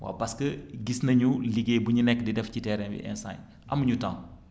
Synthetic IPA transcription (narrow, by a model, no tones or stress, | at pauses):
wa̰ːpɐskəɡisnɐɲuliɡeːbuɲunɛkːdidɛfcitɛːɾɛnbḭʔɛ̰nsa̰ɲ | ʔɐmɐɲuta̰ːŋ